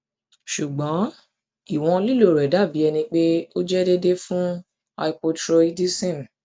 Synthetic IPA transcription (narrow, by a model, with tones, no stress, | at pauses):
ʃu˨ɡ͡bɔ̃˨˦ | i˦˨w̃ɔ̃˧li˦˨lo˨ɾɛ˨da˦˨bi˨˦ɛ˧nĩ˧k͡pe˦o˦d͡ʒɛ˦de˦de˦fũ˦ | a̰˧i˧po˧tɾo˧i˦di˦sẽ˦˨m˨